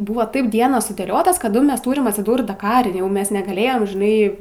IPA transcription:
ˈbʊʋoː ˈtɐɪp ˈdʲiɛnoːs sʊdʲeːˈlʲoːtoːs kɐˈdʊ ˈmʲɛs ˈtuːrʲɪm ɐtʲsʲɪˈduːrt dɐˈkɑːrʲɪ ˈjɛʊ ˈmʲɛs nʲɛɡɐˈlʲeːjɛm ʒʲɪˈnɐɪ

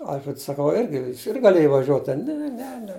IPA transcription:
ˈɐlʲfʲrʲɛts sɐˈkɐʊ ˈɪrʲɡʲɪ ˈjɪs ɪr ɡɐˈlʲeːj ʋɐˈʒʲuɔt ˈtʲɛn ˈnʲɛ nʲɛ nʲɛ

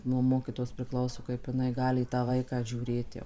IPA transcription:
nuɔ ˈmoːkʲiːtoːjoːs pʲrʲɪˈklˠɐʊsoː kɐɪp jɪˈnɐɪ ˈɡɑːlʲɪ iː tɑː ˈʋɐɪkɑː ʒʲuːˈrʲeːt jɛʊ

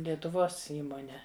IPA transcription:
lʲiɛtʊˈʋoːs ˈiːmoːnʲɛ

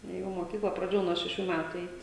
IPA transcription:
ˈjɛʊ moːˈkʲiːklˠɐ prɐˈdʲeːjɛʊ nuɔ ʃʲɛˈʃʲuː ˈmʲætʊ ˈɛɪtʲ

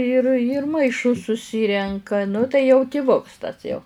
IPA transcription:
ɪr iːr mɐɪˈʃʊs sʊˈsʲɪrʲɛŋkɐ nʊ tɐɪ jɛʊ tʲɪˈʋʊks tɐs jɛʊ

